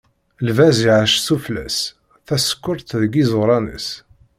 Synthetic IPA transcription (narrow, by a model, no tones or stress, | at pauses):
lvæziʕaʃsuflæ̰s | θæsə̥kːʊɾt̪ðɡizˤɾˤɑnə̰s